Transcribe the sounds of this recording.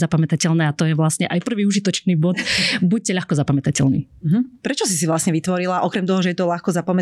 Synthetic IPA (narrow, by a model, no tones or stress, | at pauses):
zapamɛt̪acɛlnɛːat̪ɔjɛʋlasɲɛʔajpr̩ʋiːuʒit̪ɔt͡ʃniːbɔt̪buc̚cɛʎaxkɔzapamɛt̪acɛlnḭː | ɦ̩pɾɛt͡ʃɔsis̬iʋlasɲɛʋit̪ʋɔɾilaʔɔkɾɛmt̪ɔɦɔʒɛjɛt̪ɔʎaxkɔzapamɛ